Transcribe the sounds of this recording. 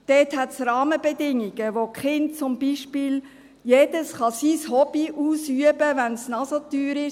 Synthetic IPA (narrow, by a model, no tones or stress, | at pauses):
d̥ɛːthɛtsɾɑːməbɛdɪŋiɡ̥əʋokχɪnt̚t͡sʊmbiʃpiːl | jeːd̥əsχɑsishɔbiʔuːsyəbəʋænsnɑsotyːɾɪ